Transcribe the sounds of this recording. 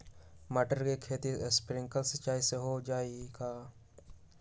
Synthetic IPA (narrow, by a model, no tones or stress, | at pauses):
mɐʈəɾkekʰeːt̪ispɾɪ̃ŋkəlsət͡ʃaːiseɦod͡ʒaːiɡaː